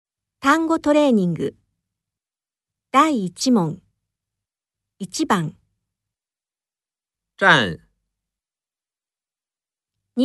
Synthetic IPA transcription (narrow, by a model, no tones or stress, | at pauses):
t̪ãŋɡo̞t̪o̞ɾe̞ːɲ̟ĩŋɡɯ̰ | d̪̥aiːt͡ɕimõ̞n | it͡ɕibãŋ | tan | ɲi